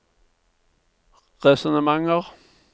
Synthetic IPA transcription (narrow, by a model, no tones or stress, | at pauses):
ʁɛsɔnəmɑŋəʁ